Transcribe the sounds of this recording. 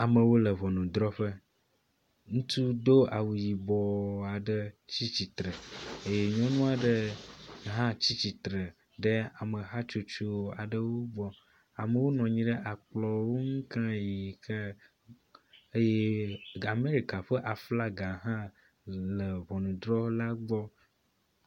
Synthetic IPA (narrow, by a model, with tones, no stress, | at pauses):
a˨mə̃˨wo˦lə˨βɔ˨nũ˨d̪ɾɔ˦ɸə˦ | ŋũ˦t̪u˦d̪o˦a˨wu˨ji˨bɔ˨a˨ɖə˦t͡ɕi˦t͡ɕi˨t̪ɾə˨e˦je˦ɲɔ̃˦nũ˦a˨ɖə˦ | ɦã˦t͡ɕi˦t͡ɕi˨t̪ɾə˨ | ɖə˦a˨mə˨ɦa˦t͡ʃo˦t͡ʃo˦a˨ɖə˦wo˦ɡ͡bɔ˦ | a˨mə˨wo˦nɔ̃˨ɲĩ˦ɖə˦ʔa˨k͡plɔ˨wo˦ŋ̩˦kã˦ji˨kʰə˦ | e˦je˦a˨me˦ɾi˨ka˨ɸə˦ʔa˨fla˦ɡa˨ɦã˦ | lə˨βɔ˨nũ˨d̪ɾɔ˦la˦ɡ͡bɔ˦